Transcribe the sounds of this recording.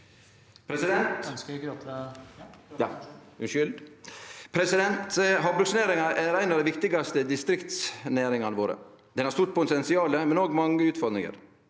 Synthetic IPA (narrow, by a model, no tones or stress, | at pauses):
pʰɾɛsɪd̪ɛnt̪ːt̪ | jɑ | ʉnʃʏld̪ | pʰɾɛsɪd̪ɛnt̪ɦɑblsnæːɾɪŋɑʔæɾæɪnɑʋd̪æɪʋɪkt̪ɪɡɑst̪əd̪ɪst̪ɾɪkt̪snæːɾɪŋɑnəʋoːɾə̰ | d̪ɛnhɑɾst̪ʊʈ̪pʰʊt̪ɛnsɪɑːləmɛnoːɡmɑŋːəʉːt̪fɔɾd̪nɪ̰ŋə̰ɾ